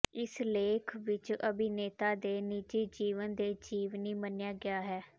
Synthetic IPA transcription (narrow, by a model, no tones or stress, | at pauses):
ɪsleːkʰʋɪt͡ʃəbiːneːt̪aːd̪eːnid͡ʒeːd͡ʒiːʋənd̪eːd͡ʒiːʋniːmənjaːɡɪaːɦɛː